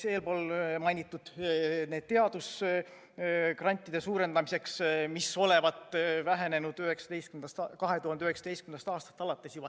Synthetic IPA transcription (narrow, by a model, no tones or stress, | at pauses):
se̞ːlpo̞ːlmɑjnʲit̪ːˑud̪̥ne̞ːd̪̥̚t̪e̞ɑd̪̥us | krɑnʲt̪ːˑid̥̪e̞suːɾe̞nd̪ɑmise̞ksmiso̞le̞vɑt̪ˑvæɦe̞nenud̪̥yhe̞ksɑd̪e̞jst̪kymnɑst̪kɑɦe̞t̪uhɑnd̪eyhe̞ksɑ̥d̪est̪ymenɑst̪ɑːst̪ɑ̥t̪ːˑɑlɑt̪ːˑe̞siuvɑ